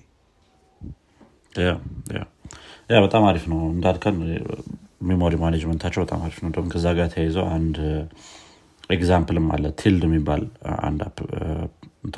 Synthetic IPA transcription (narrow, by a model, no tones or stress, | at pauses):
jaja̰jabət̪ʼamaɾifnəwɨnd̪ad̪kʰən | mimoɾimaned͡ʒmənt̪ʰat͡ʃːɛwbət̪ʼa̰maɾifnəwd̪əhunkʰəzːaɡat̪ʰəjajɛzəwʔand̪ | eɡzampɨlɨmːa̰lːət̪ʰːild̪ɛmːibːa̰la̰nd̪a̰b | nt̪ʰ